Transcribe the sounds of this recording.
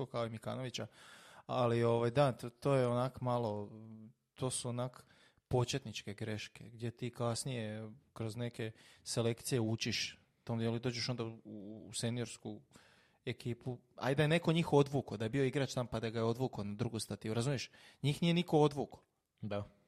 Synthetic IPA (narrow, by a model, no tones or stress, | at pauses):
okaoimika̰ːno̞ʋit͡ɕaalio̞ʋajd̪at̪o̞ːjeonakmalˠo̞ | t̪ʰo̞ːsuonak | po̞t͡ʃe̞t̪nit͡ʃke̞ɡɾe̞ʃke̞ɡd̪je̞t̪iːkasnije̞kɾo̞zne̞ke̞se̞le̞kt̪sije̞ut͡ʃiʃ | t̪omd̪jeelid̪o̞ːd͡ʑeʃo̞nd̪ase̞nijo̞ɾsku | e̞kiːpu | a̰jd̪ajene̞ko̞ɲiːxo̞d̪ʋuːko̞d̪ajebio̞iɡɾat͡ʃt̪ampad̪aɡajeo̞d̪ʋuːkonad̪ɾuɡust̪at̪ijuɾazumijeʃɲiːxnije̞niko̞od̪ʋuːko̥ | d̪a